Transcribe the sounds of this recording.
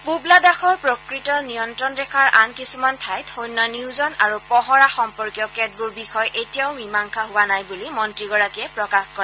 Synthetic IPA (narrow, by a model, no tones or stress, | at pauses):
publadaxɔɹpɹokɹitɔnijɔntɹɔnɹɛkʰaɹʔankisumantʰajthojnːɔniwzɔnaɹupɔɦɔɹaxɔmpɔɹkjɔkɛt̚buɹbixɔjʔetijaʊmimaŋkʰaɦʊwanajbulimɔntɹiɡɔɹakiɛpɹɔkaxkɔa